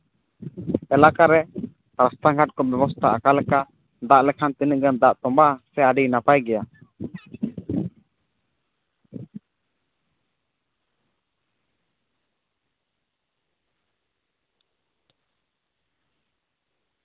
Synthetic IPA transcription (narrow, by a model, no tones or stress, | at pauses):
ɛlakaɾɛ | pɾast̪aɡʱaʈ̚kɔbɛbɔst̪ʰaʔakalɛka | d̪aʔlɛkʰant̪inəʔɡɛnd̪aʔt̪ɔmbasɛaɖijnapajɡɛja